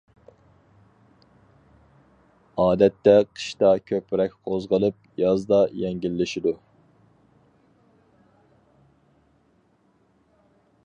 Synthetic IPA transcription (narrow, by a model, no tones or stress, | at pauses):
ɑːd̪ɛt̪ːɛqʰə̥ʃt̪ɑkʲʰøpɾɛk̚ʲqʰozʁəlˠɨp̚ | jɑzd̪ɑjɛŋɡʲilːɪʃid̪u